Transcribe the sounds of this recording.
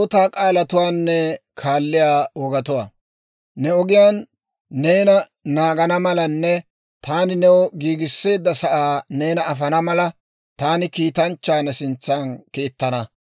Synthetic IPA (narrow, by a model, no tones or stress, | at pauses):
oːt̪aːkʼaːlɐt̪ʊwaːnːɛkʰaːlːɪjaːɔːɡɐt̪ʊwaː | nɛɔɡɪjaːnː | eːnɐ | naːɡɐnɐmɐlɐnːɛ | t̪aːnɪnɛwɔɡiːɡɪsːe̞ːd̪ːɐsɐʔaːneːnɐːfɐnɐmɐlɐ | t̪aːnɪkiːt̪ɐnt͡ʃːaːnɐsɪnt͡sːaːnkiːt̪ːɐnɐ